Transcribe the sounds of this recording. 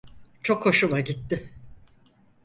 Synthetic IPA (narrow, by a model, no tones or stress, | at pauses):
t͡ʃʰo̞kʰːo̞ʃulˠaɟit̪ːɪ